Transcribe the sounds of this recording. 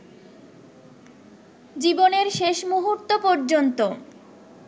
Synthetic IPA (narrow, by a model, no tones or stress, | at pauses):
d͡ʑiboneɾʃeʃmuɦuɾt̪ːopoɾd͡ʑont̪o